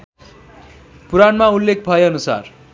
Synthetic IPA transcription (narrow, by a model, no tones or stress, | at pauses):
puɾanmaulːek̚ʰbʱʌeʌnusa̰r